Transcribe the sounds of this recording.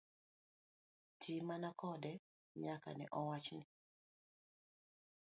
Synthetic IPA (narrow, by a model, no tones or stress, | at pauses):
tʰimanakɔdɛ | ɲaka̰nɛ̰ʔɔwat͡ʃnɪ